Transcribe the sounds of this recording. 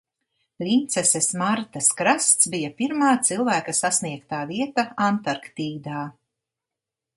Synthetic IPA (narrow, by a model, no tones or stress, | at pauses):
lʲint̪sɛsesmaɾt̪ɐskɾast̪sbijapiɾmaːt̪silˠvæːkɐsasniɛkt̪aːviɛt̪aant̪aɾkt̪iːd̪aː